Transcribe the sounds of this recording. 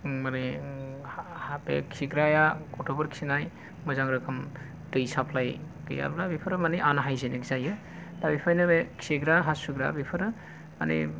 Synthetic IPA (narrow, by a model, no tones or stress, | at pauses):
mane | habḛkʰiɡɾajakɔtobɐɾkʰsinaj | mɯzaŋɾɯkʰɯm | dɯjsapʰlaj | ɡɯ̰ja̰blabipʰɯɾɯmaniʔanaɦajzenekzajɯ | tabipʰajnɯbekʰeɡɾaɦasuɡɾa̰bipʰɯɾɯ | ma̰nḭ